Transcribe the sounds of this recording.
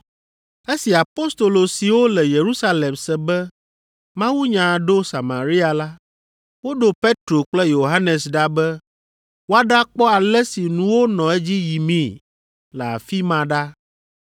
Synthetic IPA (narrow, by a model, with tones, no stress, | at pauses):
e˦si˨a˨po˦st̪o˨lo˨si˨wo˦lɛ˨je˨ɾu˦sa˦le˨msɛ˨bɛ˦ | mã˦wu˦ɲã˨ɖo˦sa˨ma˨ɾi˦a˨la˦ | wo˦ɖo˨pe˦t̪ɾo˨k͡plɛ˦jo˨ɦa˦nɛ˨sɖa˦bɛ˦ | wo˦a˦ɖa˦k͡pɔ˦a˨lɛ˦si˨nũ˨˦wo˦nɔ̃˨ɛ˦d͡ʑi˦ji˨mĩ˦˨ | lɛ˨a̰˨fi˦mã˨ɖa˦